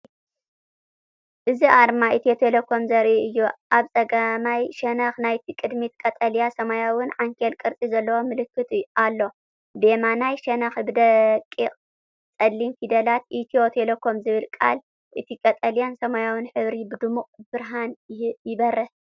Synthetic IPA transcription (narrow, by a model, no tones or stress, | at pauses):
ʔɨziʔaɾmait̪iot̪ʰelɐkʰːo̞mzɐɾʔiʔɨjːuʔaβt͡sʼɐɡɐmajʃɐnɐxnajt̪ʰikʼɨd̪mit̪kʼɐt̪ʼɐljasɐmajawʊnʕaŋkʰelkʼɨɾt͡sʼizɐlːɐwo̞mɨlɨkːɨt̪ʰʔalːo̞ | b̪e̞manajʃɐnɐxbɨd̪ɐkʼːiqʼ | t͡sʼɐlːimfid̪ɐlat̪ʔit̪ʰiot̪ʰelɐkʰːo̞mzɨβɨlkʼa̰l | ʔɨt̪ʰikʼɐt̪ʼɐljansɐmajawɨnħɨβɾibɨd̪ɨmuqʼb̥ɨɾɦanjɪbɐɾːɐ